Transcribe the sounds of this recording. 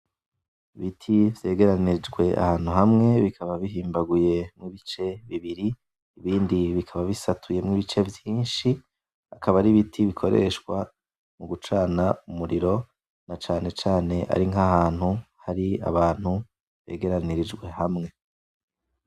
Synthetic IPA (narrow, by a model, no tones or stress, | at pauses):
iβitʰivje̞ːɡe̞ɾaniɾid͡ʒɡwe̞ʔa̰haːn̥huɦamŋe̞βikʰaβaβiɦiːmbaɡuje̞mŋiβit͡ʃe̞βiβiɾiː | βiːndiβikʰaβaβisatʰuje̞mŋiβit͡ʃe̞vjiːnʃi | akʰaβaɾiβitʰiβikʰo̞ɾe̞̰ʃkwa | muɡut͡ʃaːnaumuɾiɾo̞ | nat͡ʃaːne̞t͡ʃaːne̞ʔa̰ɾiŋɦahaːn̥huhaɾia̰βaːn̥hu | βe̞̰ːɡe̞ɾaniɾid͡ʒɡwe̞hamŋe̞